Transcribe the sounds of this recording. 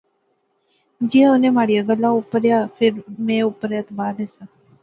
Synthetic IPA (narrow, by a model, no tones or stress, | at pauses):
d͡ʒiaʊnẽmaːɽijaɡəlːaʊpəɾjaːfɪɾmẽʊpəɾjaːt̪baːɾnesa